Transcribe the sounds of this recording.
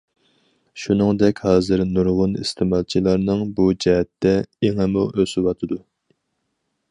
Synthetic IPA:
ʃunɨŋd̪ɛkʲhɑːzɨɾnuɾʁʊnist̪ʰɪmɑlˠt͡ʃʰilˠɑɾnɨŋbud͡ʒɛɦɛt̪ːɛeŋɨmʊøsɪwɑt̪ʰɨd̪u

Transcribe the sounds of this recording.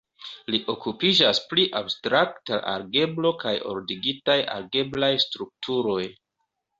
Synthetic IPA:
liʔo̞kupid͡ʒaspliʔabstɾaktaʔa̰ɾɡe̞blo̞kajo̞̰ɾdiɡitaja̰ɾɡe̞blajstɾuk̚tʰuɾo̞j

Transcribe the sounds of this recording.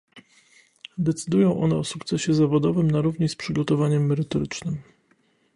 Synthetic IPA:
d̪ɛt̪sɘd̪ujɔ̃w̃ʔɔ̰nɛɔsukt̪sɛɕɛzavɔd̪ɔvɘmnaɾuvɲispʂɘɡɔt̪ɔvaɲɛmːɛɾɘt̪ɔɾɘt͡ʂnɘm

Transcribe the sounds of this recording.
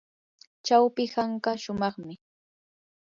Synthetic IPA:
t͡ʃawpɪhaɴkaʃʊmɑχmɪ

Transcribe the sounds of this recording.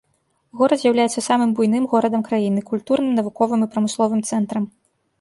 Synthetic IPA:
ɣɔɾɐd̪zʲjawlʲajɛt̪sːɐsamɨmbujnɨmɣɔɾɐd̪ɐmkɾajinɨkulʲt̪uɾnɨmnɐvukɔvɨmipɾɐmɨslˠɔvɨmt̪sɛnt̪ɾɐm

